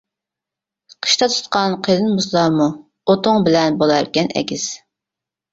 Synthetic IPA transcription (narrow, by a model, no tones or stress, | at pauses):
qʰə̥ʃt̪ɑt̪ʰu̥t̪̚qɑnqʰəlˠɨnmuslˠɑmu | ot̪ʰʊŋbɪlɛnbolˠɑɾkʲɛnʔɛ̰kʲiz̥